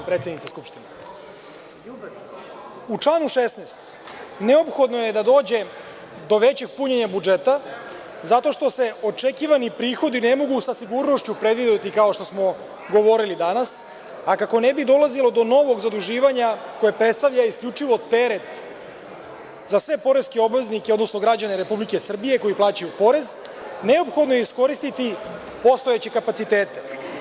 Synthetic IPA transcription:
pɾet̪sʲenit̪seskupʃt̪ine | ut͡ʂlanuʃesneːst̪ | ne̞o̞pxo̞d̪noje̞d̪ad̪o̞ːd͡ʑe̞ | d̪o̞ʋe̞t͡ɕe̞ɡ̚puɲeɲabud͡ʒet̪a | zat̪o̞ʃt̪o̞se̞o̞t͡ʂekiːʋanipɾiːxo̞d̪inemo̞ɡusasiɡuɾno̞ʃt͡ɕupɾe̞d̪ʋid̪et̪ikao̞ʃt̪o̞smo̞ | ɡo̞ʋo̞ɾilid̪anas | akako̞nebid̪o̞lˠazilo̞d̪o̞no̞ʋo̞ɡzad̪uʒiːʋaɲako̞jepɾet̪st̪aʋʎaiskʎut͡ʂiʋo̞t̪eɾe̞t̪ | zasʋe̞po̞ɾeskeo̞bʋe̞znikeod̪no̞sno̞ɡɾad͡ʑaneɾe̞publike̞sr̩bije̞ko̞iplˠaːt͡ɕajupo̞ɾe̞z | ne̞opxo̞d̪nojeisko̞ɾist̪it̪i | po̞st̪ojet͡ɕekapat̪sit̪eːt̪e

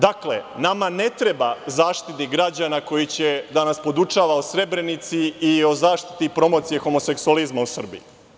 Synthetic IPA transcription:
d̪akle̞namane̞t̪ɾe̞bazaːʃt̪it̪niɡɾad͡ʑanako̞jit͡ɕe̞d̪anaspo̞d̪ut͡ʃaːʋaosɾe̞bɾe̞nit̪siio̞zaːʃt̪i̥t̪ipɾo̞mo̞t̪sije̞xo̞mo̞se̞ksualizmausr̩bḭjḭ

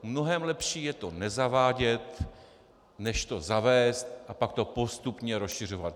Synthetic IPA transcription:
mno̞ɦɛmlɛpʃiːjɛt̪o̞nɛzavaːɟɛt̪ | nɛʃt̪o̞zavɛːst̪ʔapak̚t̪o̞po̞st̪upɲɛɾosʃɪr̝o̞vat̪

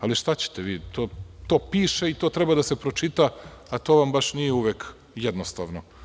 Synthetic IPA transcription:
aliʃt̪at͡ɕe̥t̪eʋiːt̪oːt̪o̞ːpiːʃeit̪oːt̪ɾɛbad̪asepɾo̞t͡ʃit̪aːt̪o̞ːʋambaʃnijeuʋeːk | jɛd̪nost̪aːʋno

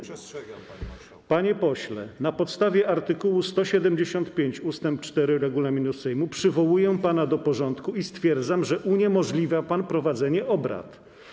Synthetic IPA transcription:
paɲɛpɔɕlɛ̰napɔt̪st̪avʲjɛʔaɾt̪ɘkuwust̪ɔɕɛd̪ɛmd͡ʑeɕɔnt̪pʲjeɲt͡ɕust̪ɛmp̚t͡ʂt̪ɛɾɘɾɛɡulamʲinusɛjmupʂɘvɔwujɛpanad̪ɔpɔʐɔnt̪kuist̪fʲjɛɾd̪zamʐɛʔuɲɛmɔʐlʲivʲjapanpɾɔvad̪zɛɲɛʔɔbɾa̰t̪

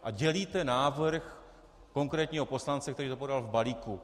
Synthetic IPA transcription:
ʔaɟɛliːt̪ɛnaːvɾx | ko̞ŋkɾɛːt̪ɲiːɦo̞po̞slant͡sɛkt̪ɛɾiːt̪opo̞dalvbaliːku

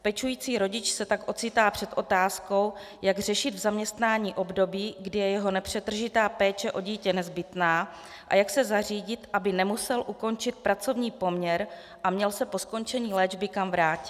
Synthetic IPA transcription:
pɛt͡ʃujiːt͡siːɾo̞ɟɪt͡ʃsɛt̪akʔo̞t͡sɪt̪aːpr̥ɛt̪ʔo̞t̪aːsko̞w | jaɡrɛʃɪd̪vzamɲɛst̪naːɲiːʔo̞bdo̞biːɡdɪjɛjɛɦo̞nɛpr̝̥ɛt̪r̩ʒɪt̪aːpɛːt͡ʃɛʔo̞ɟiːcɛnɛzbɪt̪naː | ʔa̰jaksɛzariːɟɪt̪ʔabɪnɛmusɛlʔuko̞nt͡ʃɪt̪̚pɾat͡so̞vɲiːpo̞mɲɛɾ | ʔamɲɛlsɛpo̞sko̞nt͡ʃɛɲiːlɛːd͡ʒbɪkamvɾaːcɪ̥

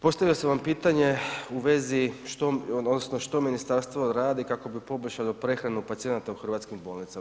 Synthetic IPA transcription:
po̞st̪aʋiloseʋampiːt̪aɲe̞uʋe̞ziʃt̪ood̪nosnoʃt̪o̞minist̪aɾst̪ʋo̞ɾaːd̪ikako̞bipo̞boʃalopɾe̞xɾanupat̪sije̞nat̪auxr̩ʋat̪skimbo̞ːlˠnit̪a

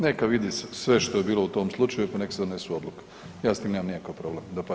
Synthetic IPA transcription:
nekaʋid̪issʋe̞ʃt̪o̞jebiːlˠout̪o̞ːmslˠut͡ʃajuepane̞ki̥sed̪one̞suo̞d̪lˠuke̥ | jaːsiːmneːmamnijakaʋpɾo̞blemd̪ap

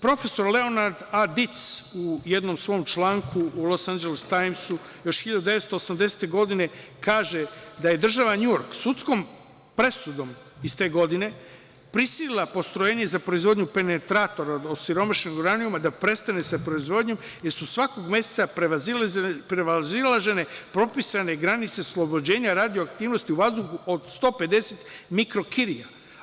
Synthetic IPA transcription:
pɾo̞fe̞so̞ɾle̞o̞naɾd̪ad̪it̪suje̞d̪no̞msʋo̞ːmt͡ʃlˠaːŋkuːlˠo̞sand͡ʒelest̪ajmsu | jo̞ʃxiʎad̪ud̪eʋe̞t̪st̪oːsamd̪e̞se̥t̪e̞ɡo̞d̪ine̞kaːʒe̞d̪aje̞d̪r̩ʒaʋaɲujo̞ɾksut̪sko̞m | pɾe̞sud̪o̞m | ist̪e̞ːɡo̞d̪ine̞ | pɾisililˠapo̞st̪ɾo̞jeːɲe̞zapɾoizʋo̞d̪ɲupe̞ne̞t̪ɾat̪o̞ɾad̪osiɾo̞maʃneɡuɾaniumad̪apɾe̞st̪ane̞sapɾo̞izʋo̞d̪ɲom | je̞ɾsusʋakoɡmje̞se̥t̪sapɾeazipɾeʋazilˠaʒe̞ne̞pɾo̞pisane̞ɡɾanit̪se̞oslˠo̞bod͡ʑe̞ːɲaɾad̪ioakt̪iːʋno̞st̪iuʋazd̪uxuod̪st̪o̞ːpe̞d̪e̞set̪mikɾo̞kiɾija

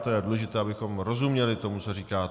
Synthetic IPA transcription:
t̪ojɛduːlɛʒɪt̪ɛːabɪxo̞mɾo̞zumɲɛlɪt̪o̞mut͡soriːkaː

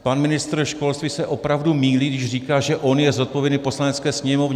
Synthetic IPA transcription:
panmɪnɪst̪r̩ʃko̞lst̪visɛʔo̞pɾavdumiːliːɡdɪʒr̝iːkaːʒɛʔo̞njɛzot̪̚povjɛdnɪpo̞slanɛt͡skɛːsɲɛmovɲɛ

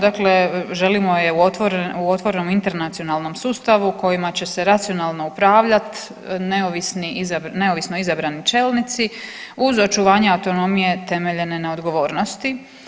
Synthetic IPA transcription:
d̪akleʒe̞limo̞jeut̪ʋoɾuo̞t̪ʋo̞ɾeno̞mint̪e̞ɾnat̪sio̞naːlˠno̞msuːst̪aʋuko̞jimat͡ɕe̞se̞ɾat̪sio̞naːlˠno̞upɾaːʋʎat̪ | neoʋisniizane̞o̞ʋisno̞izabɾanit͡ʃeːlˠnit̪siuzo̞t͡ʃuʋaːɲeawt̪o̞no̞mije̞t̪e̞me̞ʎe̞ne̞nao̞d̪ɡo̞ʋo̞ːɾno̞st̪i

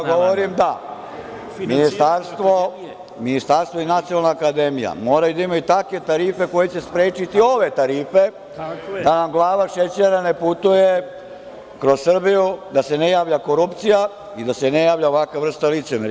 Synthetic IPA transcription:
ɡoʋoɾimd̪a | minist̪aɾst̪ʋo | minist̪aɾst̪ʋoinat̪sionalnaːkad̪emija̰mo̞ːɾajud̪aimait̪akʋe̞t̪aɾiːfe̞ko̞je̞t͡ɕe̞spɾeːt͡ʃit̪io̞ʋe̞t̪aɾiːfe̞ | d̪anamɡlˠaːʋaʃet͡ɕeɾane̞put̪uje | kɾossrbijud̪ase̞nejaːʋʎako̞ɾupt̪sija | id̪ase̞ne̞jaːʋʎaoʋakʋaʋr̩st̪alit̪semeɾ

